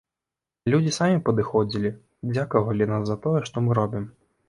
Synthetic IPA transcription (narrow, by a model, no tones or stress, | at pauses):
lʲud͡zʲisamʲipɐd̪ɨxɔd͡zʲilʲi | d͡zʲakɐvɐlʲinaszɐt̪ɔjɛʂt̪ɔmɨɾɔbʲim